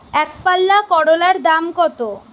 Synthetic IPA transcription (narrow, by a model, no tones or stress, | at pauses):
ɛkpalːakɔɽolaɾd̪amkɔt̪o